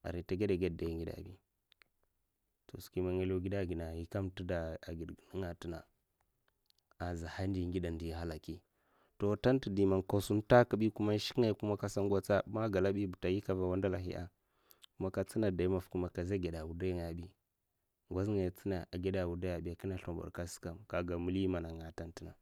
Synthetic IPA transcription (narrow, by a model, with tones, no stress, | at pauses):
a̰˨ɾi˨ta˨ɡe˦da˨ɡe˦dda˨ji˨ŋɡi˦da̰˨bi˦ | to˨ski˦ma˨ŋe˦lo˦ɡi˦da˦˨ɡi˨na˨i˨ka˦mti˦da˨a˨ɡi˨dɡni˦ŋa˨ti˦na˨ | a˨za˨ha˦n˦di˨ŋɡi˦da˨ndi˨ɦa˦la˨ki˦ | to˨ta˦nti˨di˨ma˨nka˨su˦nta˦ka˦ɓi˦ku˦ma˦ʃi̥˦kŋa˦jku˦ma˦ka˦sa˦ŋɡʷa˦t͡sa˦ma˦ɡa˨la˦ɓi˦bu˨ta˨ji˦ka˨va˨wa˦nda˦la˨ɦḭ˦ʔa̰˦ | ku˦ma˦ka˦t͡si˦na˨da˨i˦ma˨fku˦ma˨ka˨za˦ɡe˨da˨wu˨da˦jŋa˨ja˨bi˦ | ŋɡʷa˦zŋa˨ja˨t͡si˦na˨a˨ɡe˦da˨wu˨da˦ja˨bi˦a˨ki˦na˦ɬo˨mbṵ˨ɾka˦si̥˦ka˦mka˨ɡa˨mu˦li˦ma˨na˨ŋa˨ta˦nti˦na˨